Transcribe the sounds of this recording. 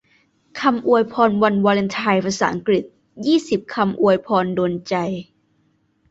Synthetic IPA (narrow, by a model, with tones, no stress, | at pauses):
kʰa˧mʔu˧əjpʰɔː˧nwa˧nwaː˧le˧nt̪ʰa˧jpʰa˧sa̰ː˩˦ʔa˧ŋkɾi˨˩t̪̚ | jiː˥˩si˨˩p̚kʰa˧mʔu˧əjpʰɔː˧ndoː˧nt͡ɕa˧j